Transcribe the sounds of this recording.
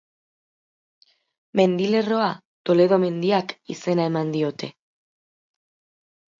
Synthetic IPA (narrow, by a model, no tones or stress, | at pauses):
me̞nd̪ile̞ro̞a | t̪o̞le̞ð̞o̞me̞nd̪iakḭse̞nae̞mand̪io̞t̪e̞